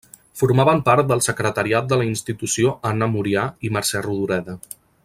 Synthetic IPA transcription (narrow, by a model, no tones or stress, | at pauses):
fuɾmaβəmpaɾt̪̚d̪əlˠsəkɾət̪əɾiat̪̚d̪ələinst̪it̪usioʔanəmuɾiaiməɾsɛruðuɾɛðə